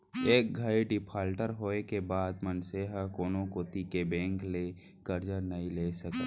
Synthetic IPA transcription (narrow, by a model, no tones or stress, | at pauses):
eːk̚ɡʱəeɖɪpʰaːlʈəɾɦoːekebaːd̪mənseɦakoːnõkoːt̪ikebɛ̃ːŋkle | kəɾd͡ʒənəɦĩleːsɐke